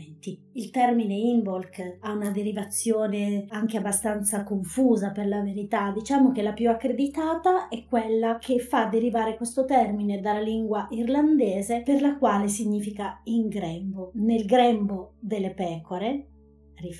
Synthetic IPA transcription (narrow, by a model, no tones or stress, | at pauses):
nt̪iilt̪ɛrmineimbolkaunad̪eɾivat̪sːjoːneaŋk̟eabːast̪ant̪sakoɱfuːzaperlaveɾit̪ad̪it͡ʃaːmok̟elapjuakːɾed̪it̪aːt̪aɛkːwelːak̟ʰefːad̪ːeɾivaːɾekwest̪ot̪ɛrmined̪alːaliŋɡwaʔirland̪ɛːzeperlakwaːles̬iɲːiːfikaiŋɡɾɛmbonelɡɾɛmbod̪elːepɛːkoɾe | ri